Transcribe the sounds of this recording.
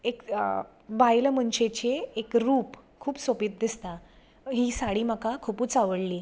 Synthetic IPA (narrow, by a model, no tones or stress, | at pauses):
ek | bajlm̤əɳɕet͡ɕeːkɾuːpkʰuːpsopit̪̚d̪ist̪a | ɦiːsaɽiːmakakʰupuːt͡saʋəɽliː